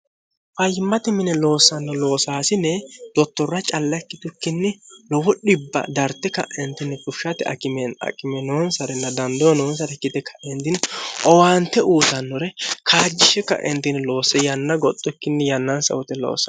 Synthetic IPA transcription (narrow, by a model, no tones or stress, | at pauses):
fɐjɪmːɐt̪ɪmɪnɛloːsːɐnːɔlo̞ːsaːsɪnɛd̪̥ɔt̪ːɔrːɐt͡ʃʼɐlːɐkːɪt̪ʊkːɪnːɪlɔwɔɗɪbːɐ̰d̪ɐɾt̪ːɛkɐ̰ʔɛnt̪ːɪnːɛkʼʊʃːɐt̪ɛɐ̰kʼɪmɛnɐ̰kʼɪmɛnoːnsɐɾɛnːɐd̪ɐnd̪onɔːnsɐɾɛkːɪt̪ɛkʰɐʔɛnt̪ɪnɔwaːnt̪ːɛʔuːsɐnːɔɾɛkʰaːd͡ʒːɪʃɛkːɐ̰ʔɛnt̪ɪnlo̞ːsɛjɐnːɐɡɔt̪ʼːɔkːɪnːɛjɐnːɐnsɐ̰wɔt̪ɛlo̰ːsɐ